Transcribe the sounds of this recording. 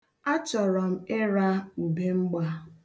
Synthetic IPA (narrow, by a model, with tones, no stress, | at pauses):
a˦t͡ʃɔ˨ɾɔ˨m̩˦ɪ˦ɾa˦u˨be˦ŋ͡m̩˦ɡ͡ba˦